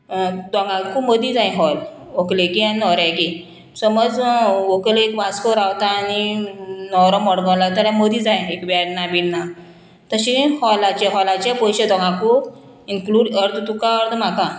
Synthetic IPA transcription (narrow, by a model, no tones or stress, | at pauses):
d̪ɔŋɡakuməd̪id͡zaj̃ɦɔl | oklekianinɔɾaki | səməd͡zokleekʋaskoɾawt̪aːninɔɾɔmɔɽɡãwlat̪əɾãməd̪id͡zãj̃ekʋaɽnːabinnːa | t̪əɕihɔlat͡ɕeɦɔlat͡ɕepɔɕed̪ɔ̃ŋɡaku | inkluɖəɾd̪t̪ukaəɾd̪m̤aka